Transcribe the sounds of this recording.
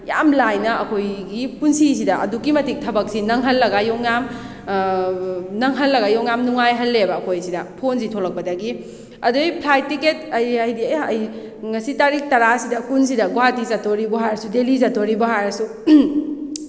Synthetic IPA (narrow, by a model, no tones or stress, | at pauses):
jamlajnɐɐkʰojɡipunsis̬idɐʔɐ̰dukːimɐtik̚tʰɐbɐk̚sinɐŋɦɐlːɐɡajoŋjam | nɐŋɦɐlːɐɡajoŋjamnuŋajɦɐlːebɐːkʰojsidɐpʰonsitʰolɐk̚pɐdaɡi | ɐdujpʰlajtiket̚ɐjɐjdiɐj | ŋɐsitaɾik̚tɐɾasidɐkuns̬idɐɡoatizatoɾibɐɦajɾsudelizatoɾibɐɦajɾsu